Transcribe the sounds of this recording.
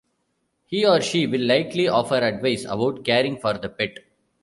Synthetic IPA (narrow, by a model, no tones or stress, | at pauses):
hiːɔːɾʃiːʋɪlːaɪkliɔːfəɾɐɖʋaɪsɐ̰baʊʈkeːɾɪ̃ŋɡfɔːɾd̪əpɪʈ